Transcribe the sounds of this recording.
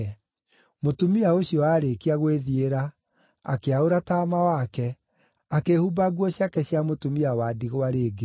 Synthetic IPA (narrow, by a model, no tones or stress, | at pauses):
motumiaoɕjɔaːɾekiaɣweðieɾa | a̰keaoɾataːmawakɛ | akehubaɡwɔɕjakɛɕjamotumiawadiɣowaɾeːɡe